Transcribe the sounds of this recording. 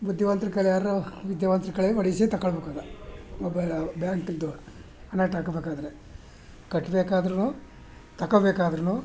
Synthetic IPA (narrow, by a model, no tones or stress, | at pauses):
bud̪ʱjɐʋɐnt̪ɾikɐɭjaːɾuʋid̪jɐʋɐnt̪ɾikɐɭeʋɐɽisit̪ɐkːɐɭbeːkaːd̪ɐmɔbɐɭbjaːŋkild̪u | ɐnaːʈaːkɐbeːkaːd̪ɐɾe | kɐʈːbeːkaːd̪ɐɾɐnuː | t̪ɐkːɐbeːkaːd̪ɐɾɐnuː